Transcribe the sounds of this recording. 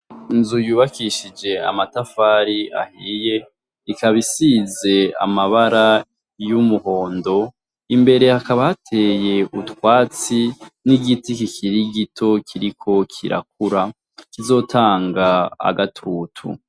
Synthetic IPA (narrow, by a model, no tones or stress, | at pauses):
inzujuːβakiʃid͡ʒe̞a̰matafaːɾia̰hiːje̞ | ikaβisize̞a̰maβaɾa | jumuho̞ːndo̞ | imbe̞ɾe̞hakaβahatʰeːje̞utwaːt͡siniɡitikikʰiɾiɡitʰo̞kʰiɾikʰo̞kʰḭɾa̰k̚uɾa | kizo̞ːtʰaːŋɡaa̰ɡatʰuːtʰṵ